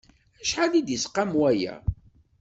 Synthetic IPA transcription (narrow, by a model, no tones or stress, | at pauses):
æʃħalid̪jəsqːamwæjæ̰